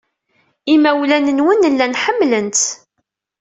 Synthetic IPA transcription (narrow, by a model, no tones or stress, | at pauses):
imæwlænənwənːəlːænħəmːlənt̪